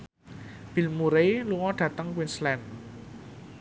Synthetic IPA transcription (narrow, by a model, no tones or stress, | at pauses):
b̥i̤lmuɾejluŋɔɖ̥ä̤t̪əŋkwinslɛn